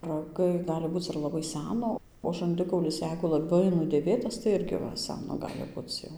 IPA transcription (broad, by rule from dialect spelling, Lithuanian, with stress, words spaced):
rɐˈɡɐɪ ˈɡɑːlʲɪ ˈbuːt͡s ɪr lˠɐˈbɐɪ ˈsʲænoː oː ʒɐnʲˈdʲɪkɐʊlʲɪs ˈjɛɪɡʊ lˠɐˈbɐɪ nʊdʲeːˈʋʲeːtɐs tɐɪ ˈɪrʲɡʲɪ ˈʋɐ ˈsʲænoː ˈɡɑːlʲɪ ˈbʊt͡s jɛʊ